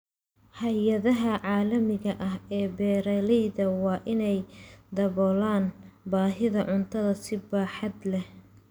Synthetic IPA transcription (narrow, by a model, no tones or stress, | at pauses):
hɐjɐðɐɦɐʕɑːlɐmɪɣɐʔɐɦɛːbɛːɾɐlɛjðɐwɑːʔɪnɛjd̪ɐβɔːlaːnbaːɦɪðɐʕʊnt̪ʰɐðɐsɪbaːħɑd̪lɛh